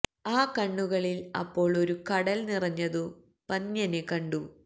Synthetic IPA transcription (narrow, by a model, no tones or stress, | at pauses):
aːkɐɳːuɣɐɭilɐ̰pːo̞ːɭo̞ɾukɐɽɐlnirɐɲːɐðɨ | pɐnːjɐne̞kɐɳɖu